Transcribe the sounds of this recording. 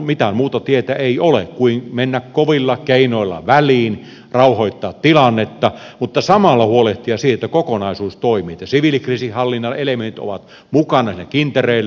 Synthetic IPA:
mit̪æmuːt̪ɑt̪iet̪æeiolekkuinmenːækkoʋilːɑkeinoilːɑ̰ʋæliːn | rɑuhoit̪ːɑːt̪t̪ilɑnːet̪ːɑmut̪ːɑsɑmɑlːɑhuoleht̪iɑsiːet̪ːækokonɑisuːst̪oimiːt̪jɑsiʋilikrisihɑlːinːɑlelement̪it̪o̰ʋɑt̪ | mukɑnɑsinːækint̪ereilː

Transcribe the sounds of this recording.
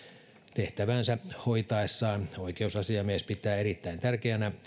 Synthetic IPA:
t̪eht̪æʋænsæhoit̪ɑesːɑːnoikeusɑsiɑmiespit̪ːˑæːerit̪ːæint̪ærkeænæ

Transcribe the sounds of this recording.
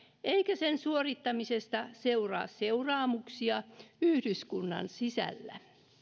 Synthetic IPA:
eikæsensuorit̪ːɑmisest̪ɑseurɑ̰ːsseurɑːmuksiɑyhdyskunːɑ̰nsisæ̰lːæ̰

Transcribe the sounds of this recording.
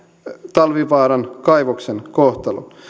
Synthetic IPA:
t̪ɑlʋiʋɑːɾɑnkɑjʋoksenkoht̪ɑlo̰n

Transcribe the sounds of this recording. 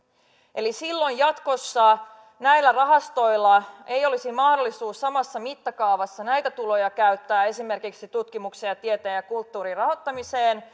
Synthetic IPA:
ʔe̞lisilːo̞jjɑt̪ko̞sːɑ | næjlːærɑɦɑst̪o̞jlːɑejo̞lisimɑhdo̞lːˑisuːsːɑmɑsːɑmit̪ːɑkɑuʋɑsːɑnæjt̪æt̪ulo̞jɑkæyt̪ːæːe̞sime̞rkiksit̪ut̪kimuksejɑt̪ie̞t̪eːnjɑkult̪ːuːɾirɑɦo̞t̪ːɑmiseːn

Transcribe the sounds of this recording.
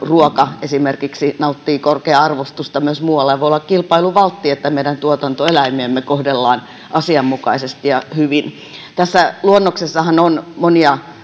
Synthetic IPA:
ruokɑesimerkiksinɑut̪ːiːkorkeɑɑrʋost̪ust̪ɑmyøsmuːwɑlːɑʋoiolːɑkkilpɑiluʋɑlt̪ːiet̪ːæmeidænt̪uot̪ɑnt̪oelæimiemːekohdelːɑːn | ʔɑsiɑmːukɑisest̪ijɑhyʋin | t̪æsːæluonːoksesːɑhɑnonmoniɑ

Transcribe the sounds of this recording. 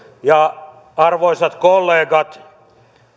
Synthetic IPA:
jɑ | ɑrʋoisɑt̪kolːeːɡɑt̪

